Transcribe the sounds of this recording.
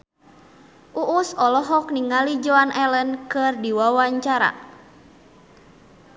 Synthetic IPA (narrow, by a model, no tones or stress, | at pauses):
ʔuʔusɔlɔɦɔk̚niŋalid͡ʒɔanʔɛlənkɨrdiwawaɲt͡ʃaɾa̰